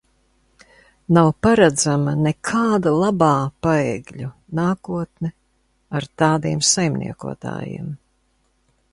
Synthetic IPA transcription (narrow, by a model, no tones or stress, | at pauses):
nawpaɾad̪zamɐnɛkʰaːd̪ulˠabaːpaɛɡʎu | naːkuɔt̪̚nɛ | aɾt̪aːd̪iɛmsajmnḭɛkṵɔt̪a̰ːjḭɛːm